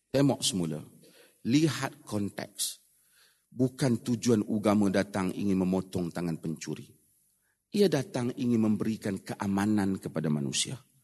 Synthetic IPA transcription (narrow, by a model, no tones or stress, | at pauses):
t̪emɔʔsəmula̰ | liɦat̪̚kɔnt̪ɛ̰k̚s | bukant̪ud͡ʒuanuɡamãdat̪aŋḭŋɪnməmɔt̪ɔŋt̪aŋanpəɲt͡ʃuɾḭ | iadat̪aŋiŋɪnməmbəɾikankəʔamanãnkəpadama̰nṵsia̰